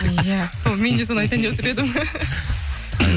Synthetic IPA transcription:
jæsome̞nd̪es̬onajt̪ʰænd̪ewot̪ɪɾe̞d̪ɪm

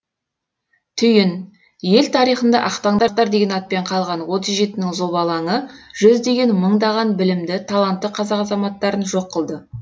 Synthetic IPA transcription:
t̪ʰʏjɪn | je̞lt̪ʰɑɾijχənd̪ɑ̰ʔɑqt̪ɑɴd̪ɑɾt̪ɑɾd̪e̞ɡʲe̞nɑt̪̚pe̞ɴqʰɑlˠʁɑnwo̞t̪əzʒe̞t̪ɪnɪŋzoβɑlˠɑŋəʒ̥ʏzd̪e̞ɡʲe̞nməɴd̪ɑʁɑnbɪlɪmd̪ɪt̪ʰɑlˠɑnt̪ːəqʰɑzɑqɑzɑmɑt̪ːɑɾənʒo̞qːəlˠd̪ə

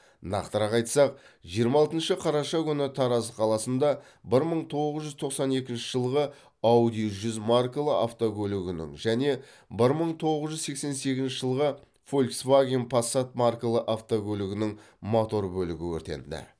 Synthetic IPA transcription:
nɑ̰qt̪əɾɑqɑjt̪sɑq̚ʒijəɾmɑɑlˠt̪ənʃəqʰɑɾɑʃɑkʲʰʏnɪt̪ʰɑɾɑzəqʰɑlˠɑsənd̪ɑ | bɪɾməɴt̪ʰo̞ʁəzʒʏzt̪ʰo̞qsɑne̞kʲɪnʃɪʒəlˠʁə | ɑwd̪ijʒʏzmarkəlˠəaft̪okʲɵlɪɡʲɪnɪ̰ŋʒæne̞ | bɪɾməɴt̪ʰo̞ʁəzʒʏzse̞kse̞nse̞ɡʲɪznʃɪʒəlˠʁə | folʲksvaɡʲinpʰasːat̪̚marklˠəʔaft̪okʲʰɵlɪɡʲɪnɪŋ | mot̪o̞ɾbɵlɪɡʲɪwɵ̰ɾt̪e̞̰nd̪ɪ̰

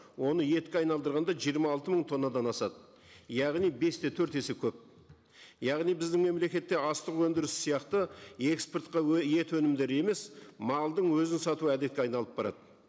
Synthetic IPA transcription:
wo̞nəje̞t̪kʲɪɑjnɑlˠd̪əɾʁɑnd̪ɑʒijəɾmɑːlˠt̪əməɴt̪ʰo̞nːɑd̪ɑnɑsɑd̪ə | jɑʁnijbe̞st̪e̞t̪ʰɵɾt̪e̞se̞kʲʰɵp̚ | jɑʁnijbɪzd̪ɪŋme̞mle̞kʲe̞t̪ːe̞ɑst̪əʁwɵnd̪ɪɾɪssijɑqt̪əe̞kspert̪qɑje̞t̪wɵnɪmd̪e̞ɾe̞me̞smɑlˠd̪əɴwɵzɪnsɑt̪uæd̪e̞t̪̚kʲeɑjnɑlˠəp̚bɑɾɑ̰d̪ə

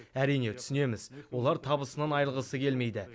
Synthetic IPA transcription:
æɾijne̞t̪ʰʏ̥sɪne̞mɪzwo̞lˠɑɾt̪ʰɑbəsənɑnɑjəlˠʁəsəkʲʰe̞lme̞jd̪ɪ

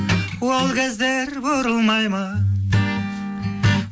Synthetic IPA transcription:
uɑlˠɡʲæzd̪eɾboɾulˠmɑjmɑ

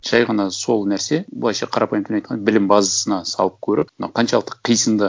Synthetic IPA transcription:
ʒ̥ɑjʁɑnɑso̞lˠnæɾse̞bʊlˠɑjʃɑqʰɑɾɑpɑjmt̪ɪɑjt̪qʰɑnbɪlɪmbɑzəsənɑsɑ̰lˠəp̚kʲʰɵɾɪpmənɑ̰wqʰɑnʃɑlˠəq̚t̪ːə̥qqʰːijsəmd̪ə

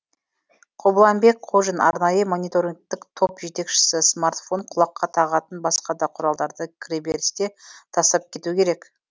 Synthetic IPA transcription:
qʰo̞bəlˠɑmbe̞kqʰo̞ʒənɑ̰ɾnɑjəmonʲit̪o̞ɾʲiŋɡ̚t̪ɪkt̪ʰo̞pʒe̞t̪e̞kʃɪ̥sɪsmart̪fo̞ɴqʰʊlˠɑqːɑt̪ʰɑʁɑt̪ənbɑsqɑd̪ɑqʰʊɾɑlˠd̪ɑɾd̪əkʲʰɪɾʲebeɾɪst̪e̞t̪ʰɑst̪ɑp̚kʲʰe̞t̪ukʲʰe̞ɾe̞k

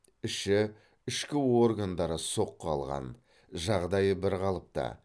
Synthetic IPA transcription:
ɪʃɪ | ʏʃkʲɪwo̞rɡand̪ɑɾəso̞qːəɑlˠʁɑ̰n | ʒɑʁd̪ɑjəbɪɾʁɑlˠəp̚t̪ɑ̰

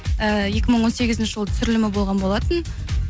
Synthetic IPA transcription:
əje̞kʲɪməɴwo̞nse̞ɡʲɪzɪnʃɪʒəlˠət̪ʰsʏɾɪlɪmɪbo̞lˠʁɑnbolˠɑt̪ən

